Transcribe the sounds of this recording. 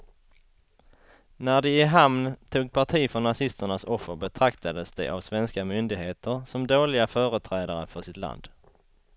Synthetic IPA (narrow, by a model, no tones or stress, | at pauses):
næɖɛɪɦamnt̪ʰuːɡ̚pʰaʈʰiːfɔɳnːasɪst̪əɳasɔfːəɾbɛt̪ʰɾakt̪ad̪əsd̪ɛ̰ʔa̰vsvɛnskamʏnd̪ɪɡheːt̪əɾsɔmd̪oːlɪɡafœːɾət̪ʰɾɛːd̪aɾəfœʂɪt̪la̰nd̪̥